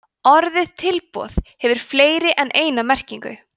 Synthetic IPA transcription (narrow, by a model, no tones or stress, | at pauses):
ɔɾðɪðt̪ʰɪlpɔ̰ːθhɛvʏɾ̥fleːjɾɪʔɛnʔeːjnamɛr̥ciŋkʏ̰